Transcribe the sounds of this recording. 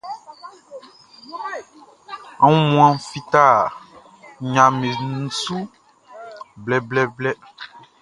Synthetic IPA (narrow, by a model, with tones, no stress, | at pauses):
a˨˦ŋũ˦mũ˦ã˦fi˦t̪a˦˨ | ɲã˨mẽ˨nũ˨su˦ | blɛ˨blɛ˦blɛ˦